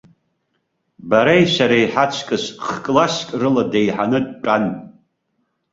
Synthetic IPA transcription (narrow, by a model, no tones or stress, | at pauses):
baɾajʃʷaɾajħat͡ʃʷʰkʼɨsχkʼlaskʲʼrɨladejħanɨd̚ʈ͡ʂʼan